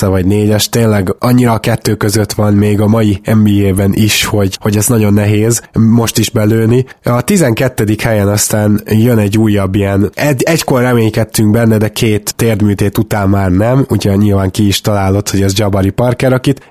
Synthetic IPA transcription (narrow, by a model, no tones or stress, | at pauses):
ɛvɒɟneːɟɛʃt̪eːnlɛɡɒɲːiɾɒːkɛt̪ːøːkøzø̞t̪ʋɒnmeːɡɒmɒjiɛmbiːeːbɛnʔiʃho̞ɟho̞ɟɛznɒɟo̞nːɛɦeːzmo̞ʃt̪iʒbɛløːniɒt̪izɛŋkɛt̪ːɛd̪ikhɛjɛnɒst̪aːnjønɛɟːuːjːɒbːijɛnɛɟɛcko̞rːɛmeːɲkɛt̪ːyŋɡ̚bɛnːɛd̪ɛkʰeːt̪ːeːrd̪myːt̪eːt̪ut̪aːnmaːrnɛmuɟɛɲilvaːŋkiːʃt̪ɒlaːlo̞t̪ho̞ɟɛzd͡ʒɒbɒɾipɒrkɛɾɒkit̪